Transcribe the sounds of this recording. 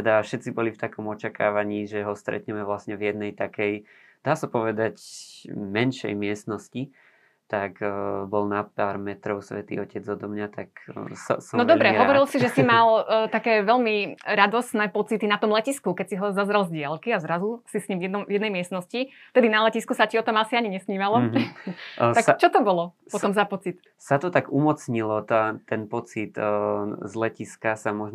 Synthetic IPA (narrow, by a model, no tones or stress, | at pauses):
t̪ɛd̪aʃɛt̪t͡sibɔlift̪akɔmɔt͡ʃakaːʋaɲiːʒɛɦɔst̪ɾɛ̰t̪ɲɛmɛʋlasɲɛvjɛd̪nɛjt̪akɛj | d̪̥aːsapɔʋɛd̪ac | mɛnʃɛ̰jmɪɛst̪nɔsci | t̪akbɔlnapaːɾmɛt̪ɾɔʊsʋɛt̪ḭɔcɛd͡zɔd̪ɔmɲat̪aksɔ̰sɔnɔdd̪ɔbɾɛɦɔʋɔɾilsiʒɛsimalt̪akɛːʋɛʎmiɾad̪ɔsnɛːpɔt͡sit̪inat̪ɔmlɛciskukɛcsiɦɔzazɾalzɟɪalkiazɾazusisɲimvjɛɔmvjɛd̪nɛjmɪɛst̪nɔscift̪ɛd̪inalɛciskusaciɔt̪ɔmasiaɲiɲɛsɲiːmalɔ | ak̚t͡ʃɔt̪ɔbɔlɔpɔt̪ɔmzapɔt͡sit̪ | sat̪ɔt̪aɡumɔt͡sɲilɔt̪at̪ɛnpɔt͡sit̪ | zlɛciskasamɔʒ